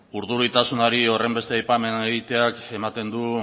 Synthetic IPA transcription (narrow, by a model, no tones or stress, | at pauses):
uɾðuɾit̪asunaɾio̞re̞mbe̞st̪eajpame̞neɣit̪e̞ake̞mat̪e̞nd̪u